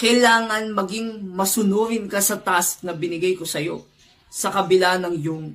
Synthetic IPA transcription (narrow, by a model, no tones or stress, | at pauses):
kɐjlaːŋɐnmɐɡiŋmɐsʊnuːɾɪnkɐsɐt̪ask̚nɐbɪnɪɡajko̞sɐjo̞̰ | sɐkɐbɪlanɐŋjʊŋ